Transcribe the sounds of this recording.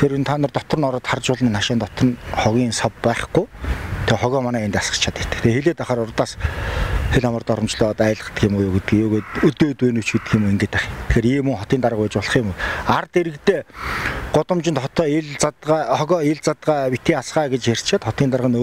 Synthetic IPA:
eɾʊnt̪ʰaːnə̆rt̪ɔt̪̆rɞ̆nɔɾɔ̆ːt̪χart͡ɕʊːɮniːnːaʃɪːnt̪ɔt̪rɞ̆nχɔɣʲiːnsɔpːæːχɡujt̪ʰeχɔɣʲɔːmanæːent̪asə̥̆t͡ɕʰat̪ĕ̥kʰt̪ɘ̥̆kt̪ʰexeɮeːt̪aχaːɾʊrt̪aːs | xeɮamə̆rt̪ɔɾɞ̆mt͡ɕɮɔːt̪aːɮə̆χə̥̆t̪̆ɡɪmujʊːɡet̪ɘ̆ɡijuːɣeːt̪ɵt̪eːt̪eːnut͡ɕut̪ɘ̆xɪmueŋɡeːt̪æχi̥t̪̆ʰxeːɾiːmɵŋχɔt̪iːnaɾə̆pæːt͡ɕpɔɮ̆χiɪmuart̪eɾɘ̆kt̪eː | ɢ̥ʊt̪ə̆mt͡ɕɪ̆nt̪χɔt̪ɔːɮt͡s̪ːɣɔːeɮt͡sat̪ɢaːpit̪iːŋasɢaːɡet͡ɕer̥t̪ʃʰeːt̪χɔt̪iːnt̪aɾəʁə̆no

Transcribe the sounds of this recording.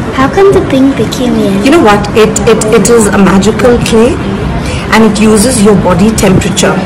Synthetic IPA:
haʊkɛ̃nd̪ətɪ̃ŋbɪkʰẽmɪ̃juñoːwɔtɪtɪtɪʈɪzəmæd͡ʒɪkʰəlkʰleː | ʔæ̃nɪʈʰjuːzəzjɔbɔdiʈʰɛ̃mpəɾət͡ʃə

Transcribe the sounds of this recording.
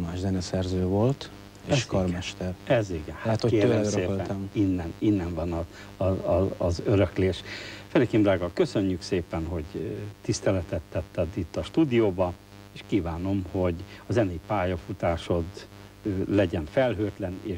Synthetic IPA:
maːʒzɛnɛsɛrzøːvo̞lt̪ | eʃkɒrmɛʃt̪ɛrɛziɡɛnhat̪okeːɛmseːlɛminːɛninːɛɱvɒnɒ | zøɾøkleːʃfɛɾikimbraːɡɒkø̞søɲːykseːpɛnɦo̞ɟt̪ist̪ɛlɛt̪ɛt̪ːɛt̪ːɛd̪it̪ːɒʃt̪uːd̪ijoːbɒ | eːʃkiːvaːno̞mho̞ɟɒzɛnejpaːjɒfut̪aːʃo̞d̪ | lɛɟɛɱfɛlɦøːt̪lɛneːʃ

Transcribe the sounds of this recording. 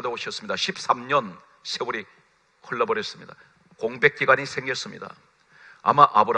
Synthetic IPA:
dooɕʰʌs͈ɯmɲid̪aɕʰip̚s͈amɲʌn | sʰeuɾi | kʰɯɭːʌbʌɾjʌs͈ɯmɲid̪a̰ | koŋbe̞k̚k͈iɡaɲisʰe̞ŋɡʌs͈ɯmɲḭda̰ | a̰maʔabɯɾ

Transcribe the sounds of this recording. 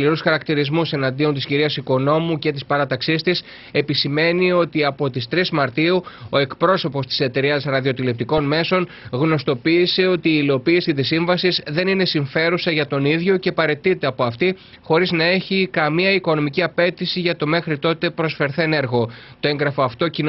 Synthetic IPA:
liɾusɐɾɐkt̪iɾizmuse̞nɐnd̪io̞nt̪isciɾiɐsiko̞no̞muce̞t̪̬ispɐɾɐt̪ɐksist̪is | e̞pisime̞nio̞t̪iɐpo̞t̪ist̪ɾizmɐɾt̪iuo̞e̞kpɾo̞so̞po̞st̪i̥se̞t̪e̞ɾiɐsɾɐðio̞t̪ile̞p̚t̪iko̞nme̞so̞n | ɣno̞st̪o̞piːse̞o̞t̪iːlo̞piːsit̪isiɱvɐsizðe̞nine̞siɱfe̞ɾusɐʝɐt̪o̞niðʝo̞ce̞pɐɾe̞t̪it̪e̞ɐpo̞ɐft̪i | xo̞ɾiznɐe̞çikɐmiɐiko̞no̞miciɐpe̞t̪isiʝɐt̪o̞me̞xɾit̪o̞t̪e̞pɾo̞sfe̞ɾθene̞ɾɣo̞t̪oe̞ŋɡɾɐfo̞ɐft̪o̞cin

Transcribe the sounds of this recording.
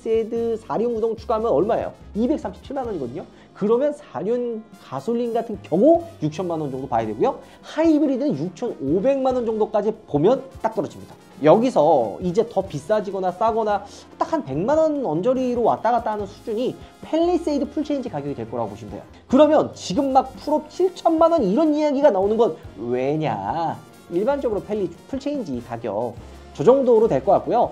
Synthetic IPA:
s͈edɯsʰaɾjonɡudoŋt͡ɕʰuɡaɦamjʌnʌɭmaḛjo̰ibe̞k̚s͈amɕʰip̚t͡ɕʰiɭmanwʌɲiɡʌdɯɲo | kɯɾʌmjʌnsʰaɾjonkasʰoʎːinɡatʰɯnkjʌɡojuk̚t͡ɕʰʌnmanwʌnd͡ʑʌŋdopajedwe̞ɡujo | haibɯɾidɯnɯnjuk̚t͡ɕʰʌnobe̞ŋmanwʌnd͡ʑʌŋdok͈ad͡ʑipomjʌnt͈ak̚t͈ʌɾʌd͡ʑimɲid̥a | jʌɡisʰʌid͡ʑe̞tʌpis͈ad͡ʑiɡʌnas͈aɡʌna | hat͈akʰanpe̞ŋmanʌnʌnd͡ʑʌɾiɾowa̰t͈̚aɡat͈aɦanɯnsʰud͡ʑuɲipʰe̞ʎːis͈eidɯpʰuɭt͡ɕʰe̞ind͡ʑikaɡjʌɡitwe̞ɭk͈ʌɾa̰ɡopoɕʰindḛjo̰ | kɯɾʌmjʌnt͡ɕiɡɯmːak̚pʰuɾʌp̚t͡ɕʰiɭt͡ɕʰʌnmanʌniɾʌnijaɡiɡanaonɯnɡʌnwe̞ɲa̰ | iɭband͡ʑʌɡɯɾopʰe̞ʎːipʰuɭt͡ɕʰeind͡ʑikaɡjʌ̰k̚ | t͡ɕʌd͡ʑʌŋdoɾotwe̞ɭk͈ʌk͈at̚k͈ojo

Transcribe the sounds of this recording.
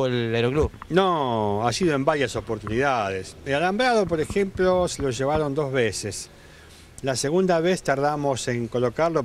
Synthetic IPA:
eleɾoklunoasiðoe̞mbaɾjaso̞poɾt̪uniðað̞esealambɾaðo̞po̞ɾexe̞mplo̞selo̞ʒe̞β̞aɾo̞nd̪o̞zβeses | lase̞ɣund̪aβest̪aɾð̞amo̞se̞ŋko̞lo̞kaɾlo

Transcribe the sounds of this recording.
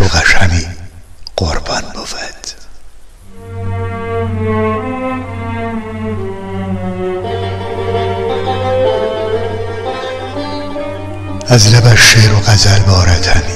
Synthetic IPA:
oɣæʃhæmiːɢ̥oɾbɒnbofæd̪̥ | æzlæbæʃːeːɾoɣæzælbɒːɾæt̪ʰhæmi

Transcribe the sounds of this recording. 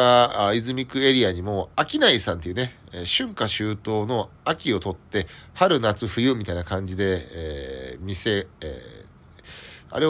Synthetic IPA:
aizɨmʲikɯ̟e̞ɾʲiaɲ̟imo̞akʲinaisãnt̪eiɯ̟ne̞ | ɕɨ̃ŋkaɕɨːt̪o̞ːno̞akʲio̞t̪o̞t̪ːe̞haɾɯ̟nat͡sɨɸɯ̟jɯ̟ːmʲit̪ainakãɲ̟d͡ʑid̪e̞ | mʲise̞̰ | a̰ɾe̞

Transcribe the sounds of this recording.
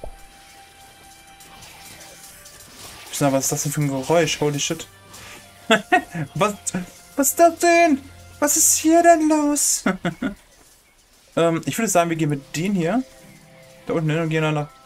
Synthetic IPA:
ɪ̥vasɪ̥sd̥asd̥ɛnfyːɐnɡəʁɔʏʃhoʊldiʃɪt | vas | vasstd̥asd̥ɛnvasɪsthiːɐdɛnloːs | ʔɛːmʔɪçvʏɐɾɛsz̥aːɡŋ̩viːɡeːnvɪd̥eːnhiːɐ | d̥aʔʊnn̩ɛnʊnɡeːnandɐ

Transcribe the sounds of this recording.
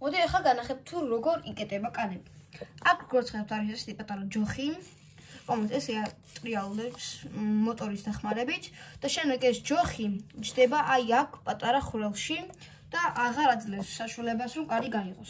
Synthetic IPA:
mɔd̪iɛχaɡanaχɛp̚t̪ʰuɾɔɡɔɾikʼɛt̪ʼɛbakʼanɛb | akʰɡɔɾt̪sχɛd̪ɛp̚t̪ʰaɾiʃɛsɛ̥t̪ʰipʼat̪ʼaɾad͡ʒɔχi | kɔmɛt̪ʰɛsiat̪ʼɾialˠd̪ɛpsmɔt̪ʼɔɾisd̪aχmaɾɛbit̪ʰd̪̥aʃɛnd̪ɛɡɛsd͡ʒɔχit͡ʃʰd̪ɛbaʔajakʰpʼat̪ʼaɾaχuɾɛlˠʃi | d̪̥aʔaʁaɾad̪zlɛnsːaʃualɛbasɾɔmkʼaliɡaiʁɔs

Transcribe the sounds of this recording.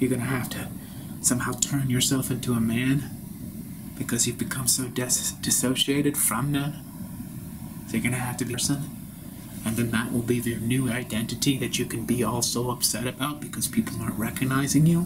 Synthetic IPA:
jə˞ɡʌnɨhæftʰɨ | sʌ̃mhaʊtʰɜ̃˞njə˞sɛlˠfɪ̃ntʰuəmæ̃n | b̥ɨkʰʌz̥ivbɨkʰʌ̃msoʊdd̥ɨsoʊʃieɪɾɨd̥fɹʌ̃mðɨ̃m | ððeɡʌñɨhæftɨbiɹsɨ̃n | ɨ̃nðɨ̃nðəʔwʔə̰lˠbiðə˞nʉaɪdɛ̃ntɨɾiðɨt͡ʃɨkʰɨ̃n̩biɔlˠsoʊʌpsɛɾɨbaʊt̚b̥ɨkʰʌz̥pʰipl̩ˠnɑɹʔ̚ɹɛkɨɡ̚naɪzɪ̃ŋju

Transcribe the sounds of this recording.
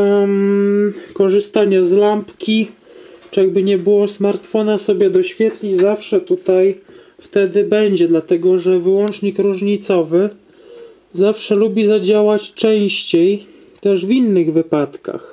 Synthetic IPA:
kɔʐɘst̪aɲazlampkʲit͡ʂaɡ̚bɘɲɛbɘwɔsmaɾt̪fɔnasɔbʲjɛd̪ɔɕfʲjɛt̪lʲizafʂɛt̪ut̪aj | ft̪ɛd̪ɘbɛɲd͡ʑɛd̪lat̪ɛɡɔʐɛvɘwɔnt͡ʂɲikɾuʐɲit̪sɔvɘ | zafʂɛlubʲizad͡ʑawat͡ɕt͡ʂɛ̃w̃ɕt͡ɕej | t̪ɛʐvʲinːɘɣvɘpat̪ka̰x

